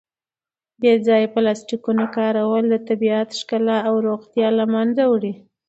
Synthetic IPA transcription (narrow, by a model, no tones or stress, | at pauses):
bed͡zɑjeplɑsʈikunakɑɾawəld̪ət̪abiat̪ʃkalaːwɾoɣt̪jɑlamand͡zawɽi